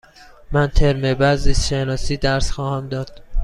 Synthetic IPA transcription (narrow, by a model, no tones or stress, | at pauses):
mænt̪ʰeɾmebæziːsʃenɒːsiːd̪æɾsxɒːhæmd̪ɒːd̪̥̚